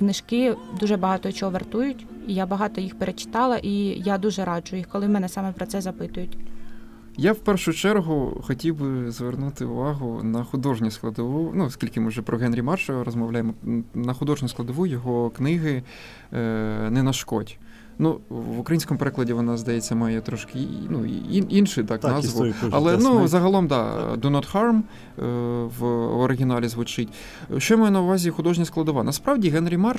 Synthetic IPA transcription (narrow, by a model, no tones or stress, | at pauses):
knɪʃkɪd̪uʒɛbɐɦɑt̪ɔit͡ʃɔɦɔʋert̪ujʊtʲijabɐɦɑt̪ɔjixpeɾʔet͡ʃɪ̥t̪ɑlˠɐʔijad̪uʒɛɾɑd͡ʒʊjixkɔlˠɪmɛnɛsɑmɛpɾɔt̪sɛzɐpɪt̪ʊjʊtʲ | jawpɛrʃʊt͡ʃɛrɦʊxɔtʲiwbɪzʋernut̪ɪʊ̰ʋɑɦʊnɐxʊd̪ɔʒnʲisklˠɐd̪ɔʋunuskʲilʲkɪmɪwʒɛpɾɔɦɛnɾʲimɑrʃɐɾɔzmɔʋlʲajemɔnɐxʊd̪ɔʒnʲisklˠɐd̪ɔʋujɔɦɔknɪɦɪ | nɛnɐʃkɔtʲ | nuʋʊkɾɐinsʲkɔmʊpeɾɪklˠɐdʲiʋɔnɑzd̪ɐjɛt͡sʲːɐmɑjɛt̪ɾɔʃkɪnuiinʃɪt̪ɑknɑzʋʊɐ̰lˠɛnuzɐɦɐlˠɔmd̪ɑ̰d̪ɔnɐt̪xɑrm | ʋɔɾɪɦʲinɑlʲizʋʊt͡ʃɪtʲ | ʃt͡ʃɔmajɛnɐʊʋɑzʲixʊd̪ɔʒnʲɐsklˠɐd̪ɔʋɑnɐspɾɑʋdʲiɦɛnɾʲimɑr